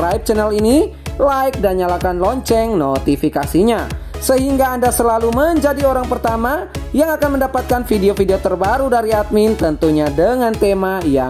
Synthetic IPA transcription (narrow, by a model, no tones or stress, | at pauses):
ɾaip̚t͡ʃɛnɛlinilaɪk̚daɲalakanlɔɲt͡ʃɛŋnot̪ifikasiɲasəɦiŋɡaːndasəlaluməɲd͡ʒadioɾaŋpərt̪amajaŋakanməndapat̪̚kanfideofideot̪ərbaɾudaɾiat̪̚mint̪ənt̪uɲadəŋant̪emaja